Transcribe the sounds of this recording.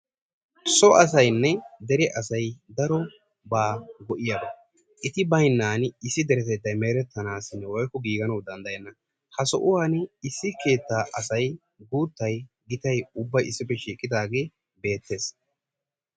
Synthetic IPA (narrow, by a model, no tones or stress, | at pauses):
sɔʔɐs̬ɐjnːɛd̪ɛɾɪʔɐsɐjd̪ɐɾɔ | baːɡɔʔɪjɐd̪ɐ | ʔɪt̪ɪbɐjnːaːnɪsːɪd̪ɛɾɛt̪ɛd̪ːɐjmeːɾɛt̪ːɐnaːsɪnːɛwɔjkːɔɡiːɡɐnɐwd̪ɐnd̪ɐjɛnːɐ | hɐsɔ̰ʔʊwaːnɪsːɪke̞ːt̪ːaːʔɐsɐj | ɡuːt̪ːɐj | ɡɪt̪ɐjʊbːɐjɪsːɪpːɛʃiːkʼːɪd̪aːɡe̞ː | be̞ːt̪ːe̞ːs